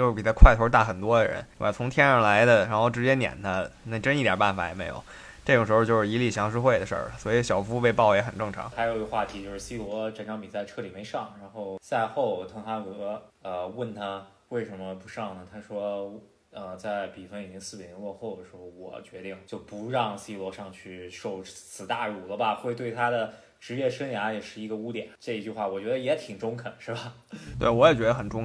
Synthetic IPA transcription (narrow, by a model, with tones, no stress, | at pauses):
t͡ɕjo˥˧ʂ̩˥˩pi˨˩t̪ʰa˥kʰwa˥˩ɪt̪ʰo˧˥t̪̬a˥˩xə˨˩nt̪wɔ˥d̪ə˨ɻə̰˧˥n˥ŋbt͡sʰʊ˧˥ŋt̪ʰjɛ˥nə˞˧˥la˧˥ɪd̪ə˧˨ɻa˧˥nxo˥˩ʊʈ͡ʂɻ̩˧˥t͡ɕjɛ˥njɛ̰˨˩nt̪ʰa˥na˥˩ʈ͡ʂə˥ni˥˩t̪jə̰˨˩pa˥˩nfa̰˨˩jɛ̰˨˩me˧˥ɪjo̰˨˩ʊ | ʈ͡ʂɤ˥˩ʈ͡ʂŋʂɻjo˥˧ʂɻ̩˥˩˧i˧˥li˥˩ɕjɑ˧˥ŋʂ̬ɻ̩˥xwe˥˩ɪd̪ə˩ʂə̰˞˥˩lə˩swɔ˧˥i˧˥ɕjɑ˨˩ʊfu˥pe˥˧ɪpɑ˥˩ʊjɛ˧˥xə˨˩nʈ͡ʂɤ˥˩ŋʈ͡ʂʰɑ̰˧˥ŋxa˧˥ɪjʊ˧ɡə˧xwa˥˩t̪ʰi˧˥t͡ɕjo˥˧ʊʂɻ̩˥˧˩i˥˩wɔ˧˥ʈ͡ʂə˧˥nʈ͡ʂʰɑ˧˥ŋpi˨˩t͡sa˥˧ɪʈ͡ʂʰɤ˥˩li˨˩me˧˥ɪʂɑ˥˩ŋɻa˧˥nxo˥˧ʊt͡sa˥˧ɪxo˥˩ʊ˩t̪ʰɤ˥ŋt̪ʰa˥kɤ˧˥ə˧wə˥˩nt̪ʰa˥we˥˩ɪʂə˧˥nmə˧pu˧˥ʂɑ˥˩ŋnə˩t̪ʰa˥ʂwɔ˥ | ə˧˩t͡sa˥˩ɪpi˨˩fə˥˩ni˨˩t͡ɕi˧˥ŋsɹ̩˥˩i˨˩˧lwɔ˥˧xo˥˩ʊd̪ə˩ʂɻ̩˧˥xo˥˩ʊwɔ̰˨˩t͡ɕɥɛ˧˥t̪i˥˩ŋt͡ɕjo˥˩ʊpu˧˥ɻɑ˥˧ŋɕi˥lwɔ˧˥ʂɑ˥˧ŋt͡ɕʰy˥˧ʂo˥˧ʊt͡sʰɹ̩˨˩t̪a˥˧˩ɻu˨˩lə˦bɐ˨xwe˥˧ɪt̪we˥˩ɪt̪ʰa˥d̪ə˨ | ʈ͡ʂɻ̩˧˥jɛ˥˩ʂə˥nja˧˥jɛ˨˩ʂɻ̩˥˩i˧˥ɡə˧u˥t̪jɛ̰˨˦nʈ͡ʂɤ˥˩i˧˥t͡ɕy˥˧xwa˥˩wɔ˨˩t͡ɕɥɛ˧˥d̪ə˧jɛ˧˥t̪ʰi˨˩ŋʈ͡ʂʊ˥ŋkʰə˨˩nʂɻ̩˥˩bɐ˩t̪we˥˩ɪwɔ˧˥jɛ˨˩t͡ɕɥɛ˧˥d̪ə˧xə˨˩nʈ͡ʂʊ˥˧ŋ